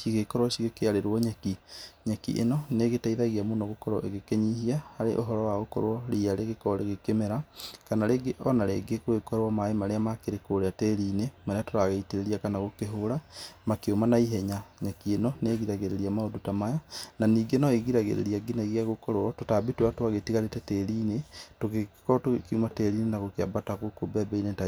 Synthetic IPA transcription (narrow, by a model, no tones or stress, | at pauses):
ʃiɣekɔɾwaʃiɣekeaɾeɾwɔɲɛkiɲakḭʔḛnɔneɣetaiðaɣeamonɔɣokɔɾɔ̰ʔḛɣekeɲiɦiahaɾeʔoɦɔɾɔwaɣokɔ̰ɾwɔɾiaɾeɣekɔɾeɣekemeɾakanaɾeɡeʔɔnaɾeɡekwekɔɾwamaemaɾeamakeɾekoɾeatɛɾiːnemaɾeatoɾaɣaiteɾeɾiakanaɣokeɦoɾamakeomanaiɦɛɲaɲakienɔneːɣiɾaɣeɾeɾiamaodutamajananiːɡenɔeɣiɾaɣḛɾḛɾiaɡinaɣiaɣokɔɾwɔtotabitwatwaɣetiɣaɾetɛtɛɾiːnetoɣekɔtokeumatɛɾinenaɣokea̰bataɣokobɛbɛineta